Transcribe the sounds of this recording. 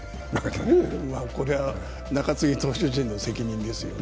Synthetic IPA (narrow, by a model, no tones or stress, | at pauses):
mako̞ɾeβa | nakat͡sɨɡʲit̪o̞ːɕɨʑĩnːo̞se̞kʲiɲ̟ĩnd̪e̞sɨjo